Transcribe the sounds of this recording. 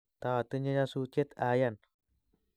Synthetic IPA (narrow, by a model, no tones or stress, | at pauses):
t̪at̪əɲaɲasut͡ʃɪt̪ajan